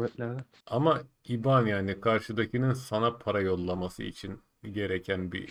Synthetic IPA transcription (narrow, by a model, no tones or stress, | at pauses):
bɛt̪lʲæɾd̪ɛ | ama | ibanjaːnikʰaɾʃɯd̪acʰinɯnsanapʰaɾajo̞lˠːamasɯ̰ḭt͡ʃʰin | ɟe̞ɾecʰænbḭ